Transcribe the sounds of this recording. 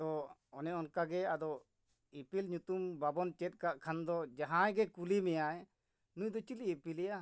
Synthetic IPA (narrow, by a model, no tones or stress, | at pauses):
t̪ɔɔnɛɔnkaɡɛad̪ɔ | ipilɲut̪umbabɔnt͡ʃɛt̪̚kaʔkʰand̪ɔd͡ʒaɦãjɡɛkulimɛjaj | nujd̪ɔt͡ʃiliːpilɛja